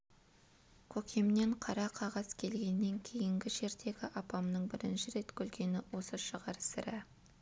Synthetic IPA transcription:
kʲʰɵkʲʰemne̞ɴqʰɑɾɑqʰɑʁɑz̥kʲʰe̞lɡʲe̞nːe̞ŋkʲʰe̞jɪŋɡʲɪʒe̞ɾd̪e̞ɡʲɪʔɑpɑmnəɴbɪɾɪnʃɪɾe̞t̪kʲʰɵlɡʲe̞nɪwo̞səʃəʁɑɾsɪ̰ɾɪ

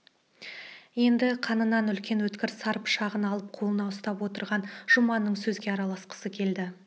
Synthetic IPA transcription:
je̞nd̪ɪqʰɑnənɑnʏlkʲe̞nwɵt̪kʲɪɾsɑɾəpʃɑʁənɑlˠəp̚qʰo̞lˠənɑʊst̪ɑpwo̞t̪əɾʁɑnʒ̥ʊmɑnːəɴsɵzɡʲe̞ɑɾɑlˠɑsqə̥səkʲʰe̞ld̪ɪ

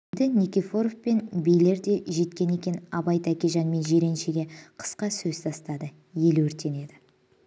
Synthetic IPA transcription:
d̪ɪnʲikʲifo̞ɾofpe̞nbejle̞ɾd̪e̞ʒe̞t̪kʲe̞ne̞kʲe̞nɑbɑjt̪ækʲeʒɑnme̞nʒe̞ɾe̞nʃeɡʲe̞qʰə̥sqɑsɵzt̪ʰɑst̪ɑd̪ə | je̞lwɵɾt̪e̞ne̞d̪ɪ

